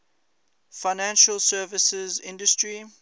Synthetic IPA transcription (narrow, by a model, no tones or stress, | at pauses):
faɪnæ̃nʃəlsɛːvɪsəzɪ̰̃ndəstɹi